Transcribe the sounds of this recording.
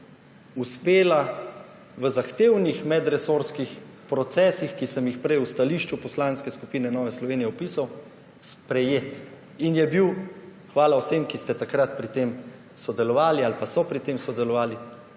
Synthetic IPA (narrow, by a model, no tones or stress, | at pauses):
uspeːla | ʋəzaxt̪eːwnixmɛd̪ɾɛsoɾskix | pɾɔt̪sɛːsixkisəmjixpɾɛjust̪aliːʃt͡ʃupɔslanskɛskupiːnɛnɔːʋɛslɔʋeːnijɛɔpiːsaw | spɾɛjeːt̪ | injɛbiw | xʋaːlawsemkist̪ɛt̪akɾat̪̚pɾit̪eːm | sɔd̪ɛlɔʋaːlialpasɔpɾit̪eːmsɔd̪ɛlɔʋaːli